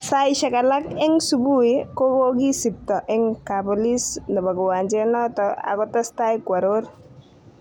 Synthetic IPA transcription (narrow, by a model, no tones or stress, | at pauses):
sajʃakalakeŋsubujkoboɡisip̚t̪ɔʔeŋkabɔlisnəbaɡɔwand͡ʒenɔt̪ɔa̰ɡɔt̪ɔst̪ajkwaɾoɾ